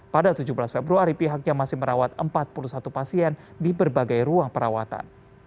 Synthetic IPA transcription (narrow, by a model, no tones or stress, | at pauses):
padat̪ud͡ʒubəlasfebɾuaɾipiɦak̚ɲamasɪhməɾawat̪əmpat̪̚pulusat̪upasiɛndibərbaɡajruaŋpəɾawa̰t̪a̰n